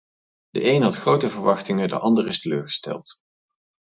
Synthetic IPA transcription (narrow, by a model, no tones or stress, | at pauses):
də̰ʔejnɦɑtχrowtəvəɹʋɑχtɪŋədə̰ʔɑndərɪstəløːɹχə̥stɛ̰lˠt